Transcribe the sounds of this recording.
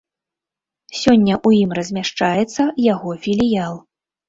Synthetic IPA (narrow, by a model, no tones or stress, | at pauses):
sʲɔnʲːɐʔujimrɐzʲmʲaʂt͡ʂajɛt̪sːɐjaɣɔfʲilʲijalˠ